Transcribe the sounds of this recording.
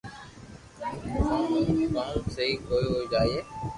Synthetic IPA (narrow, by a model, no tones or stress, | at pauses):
aːiːmãːseɦiːkoːiːɦoːiːd͡ʒaːieː